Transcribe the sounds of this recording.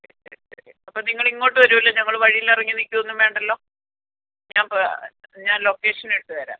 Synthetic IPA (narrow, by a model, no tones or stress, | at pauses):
ɐpːoːniŋːɐɭiŋːo̞ːʈːɨʋɐɾumɐlːɐɲɐŋːɐɭʋɐɻijilɐrɐŋːɨnikʲːuonːumʋe̞ːɳɖɐlːo̞ː | ɲaːnpɲaːnlo̞kːe̞ːʂɐneɽɨʈːɨʋɐɾa̰ːn